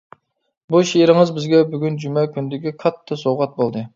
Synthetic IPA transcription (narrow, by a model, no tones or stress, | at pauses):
buʃeɾɪŋɨzbɪzɡʲɛbyɡʲynd͡ʒymɛkʲʰynd̪ɪkʲikʰɑt̪ʰːɨsowʁɑt̪̚bolˠd̪ɨ